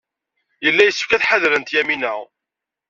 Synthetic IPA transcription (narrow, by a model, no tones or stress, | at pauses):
jəlːæjəsːə̥fkæθħaðɾənt̪jæminəʁ